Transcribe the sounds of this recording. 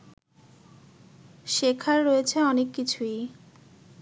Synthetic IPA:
ʃekʰaɾːoet͡ɕʰeɔnekːit͡ɕʰuj

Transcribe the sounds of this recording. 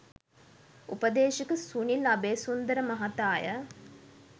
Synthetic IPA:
upəd̪eːʃikəsunilabeːsund̪əɾəmaɦat̪aːjə̰

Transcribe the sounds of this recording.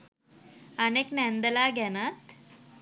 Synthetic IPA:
aneknænd̪əlaːɡænat̪

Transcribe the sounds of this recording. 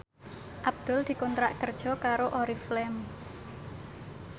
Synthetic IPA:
ʔab̚d̪̥ʊ̤ld̪̥i̤kɔnt̪ɾa̰ʔkərd̥ʒ̥ɔ̤kaɾoʔoɾiflɛm

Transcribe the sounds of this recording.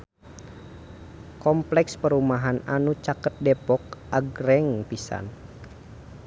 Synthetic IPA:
kɔmplɛkspəɾumaɦananut͡ʃakət̪̚dɛpɔk̚ʔaɡɾɛŋpisa̰n

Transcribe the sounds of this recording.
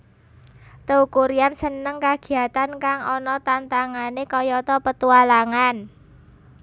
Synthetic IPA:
t̪əukuɾiansənəŋkaɡ̥i̤at̪ankaŋɔnɔt̪ant̪aŋanekɔjɔt̪ɔpət̪ualaŋan

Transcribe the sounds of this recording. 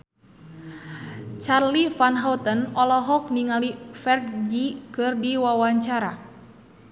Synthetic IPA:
t͡ʃarlifanɦaut̪ənɔlɔɦɔk̚niŋalifɛrd͡ʒikɨrdiwawaɲt͡ʃaɾa

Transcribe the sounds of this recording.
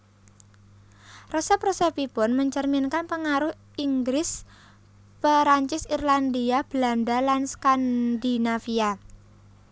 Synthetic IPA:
rɔsɛprosɛpipʊnməɲt͡ʃərminkanpəŋaɾʊh | ʔiŋɡɾɪs | pəɾaɲt͡ʃɪsirland̪iab̥landalanskand̪inafia

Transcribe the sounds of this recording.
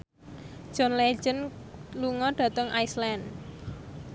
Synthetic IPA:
ʒ̥ɔ̤nle̥d͡ʒənluŋɔɖ̥ä̤t̪əŋʔaislan

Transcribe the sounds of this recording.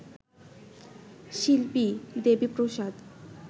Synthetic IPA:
ʃilpid̪ebipɾoʃad̪

